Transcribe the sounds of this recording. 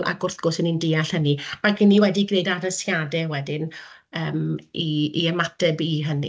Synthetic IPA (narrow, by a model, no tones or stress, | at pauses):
a̰ɡʊrθɡ̥ʊsənindɪːaɬhəniakənːiwɛdiɡneɨdadəsjadɛwɛdɪnəːmiiəmatʰɛbiɦənḭ